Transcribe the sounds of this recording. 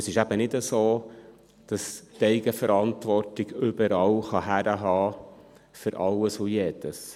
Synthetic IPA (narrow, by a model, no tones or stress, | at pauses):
əsɪʃæb̥ənɪdəsoː | d̥ɑstɛɪɡəfəɾɑntʋɔrtɪɡʏbəɾɑːwχɑɦæɾəɦɑː | fʏɾʔɑləsʊjɛːd̥əs